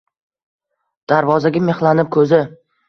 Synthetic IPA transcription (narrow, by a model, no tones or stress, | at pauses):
d̪̥aɾvɒzaɡʲame̞χlˠanɪp̚kʰɵzɪ